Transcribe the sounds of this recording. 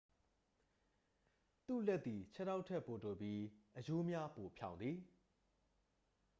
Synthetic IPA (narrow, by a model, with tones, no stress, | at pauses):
t̪ṵ˦˨lɛ˦t̪ːi˨t͡ɕʰɛ˦na˦ʊʔtʰɛ˦ʔpo˨to˨bji˦ʔəjo˦mja˦po˨pʰjã˨ʊ̃nd̪ði˨